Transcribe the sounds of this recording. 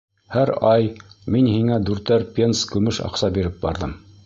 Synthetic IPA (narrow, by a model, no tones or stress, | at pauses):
hæɾɑjminhiŋæd̪ʉɾt̪æɾpʲenskʉmɘʃɑ̰qsɑbiɾɘp̚bɑ̰ɾðɤm